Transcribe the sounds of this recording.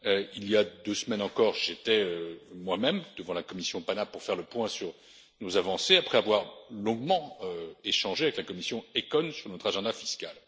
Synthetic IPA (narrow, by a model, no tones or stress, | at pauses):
øiljad̪øsmɛnɑ̃kɔʁʒet̪ɛømwamɛmd̪əvɑ̃lakɔmisjɔ̃panapuʁfɛʁləpwɛ̃syʁ | nozavɑ̃seapχɛavwaʁlɔ̃ɡmɑ̃øeʃɑ̃ʒeavɛklakɔmisjɔ̃ekɔnsyʁnɔt̪χaʒɑ̃d̪afiskal